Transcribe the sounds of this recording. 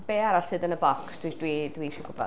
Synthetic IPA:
b̥eːaɾasɪdənəbɔksd̥widwidwiːʃɪɡʊbɔ̰

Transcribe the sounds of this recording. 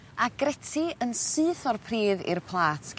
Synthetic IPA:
aɡɾɛtʰiənsɨːθɔrpʰriːðḭrpʰlˠaːtʰ

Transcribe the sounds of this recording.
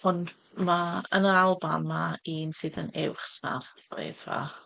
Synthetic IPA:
ɔn | maənalˠba̰mːaiːnsɨðənɛwχsma̰r | ḛdva̰

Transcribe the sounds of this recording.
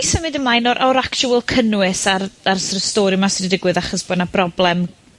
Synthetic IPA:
səmɪdəmlajnɔɾʔɔɾakt͡ʃuəlˠkʰənwɨsararsrəstɔːɾimasrɪdɪɡwɨðaχɔsb̥oːdnab̥rɔblˠɛm

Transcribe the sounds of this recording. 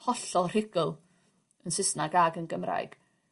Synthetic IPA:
hɔɬɔr̥ɪɡəlˠ | ənsɪsnaɡaɡənɡəmra̰jɡ̥

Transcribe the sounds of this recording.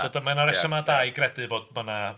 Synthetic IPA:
dʰodamanaɾɛsamadajɡrɛdɨvoːd̚məna

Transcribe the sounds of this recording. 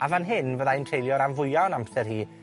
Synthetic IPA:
avanɦɪnvəðaɪntʰr̥ejlˠjɔɾanvʊɨanampsɛrhiː

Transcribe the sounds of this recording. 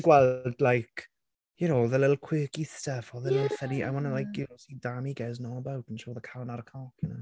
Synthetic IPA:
ɡwɛlˠdlajkʰ | jənowðɛlɛtl̩ˠkʰw̥ɪːkɪθtɛfɔðɛnɔfɛniʔa̰jwɔnəlajk̚jɪnosidamiɡɛznɔəbawtʰnʃoðəkʰawnaɾəkʰɔkʰəno

